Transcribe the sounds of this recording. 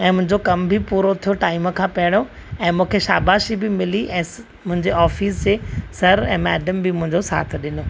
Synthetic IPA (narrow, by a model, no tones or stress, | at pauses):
ɛ̃ːmʊ̃ɦɪ̃ɲd͡ʑokɐmbʱipuːɾot̪ʰijoʈaːɪmkʰãːpɐɪɽ̃o | ɛ̃ːmũːkʰeʃa̰ːbaːʃibɪmɪliʔɛ̃ː | mʊ̃ɦɪ̃ɲd͡ʑeɔːfiːs̬d͡ʑesɐɾɛ̃ːmɛːɖəmbʱɪmʊ̃ɦɪ̃ɲd͡ʑosa̰ːt̪ʰɗɪno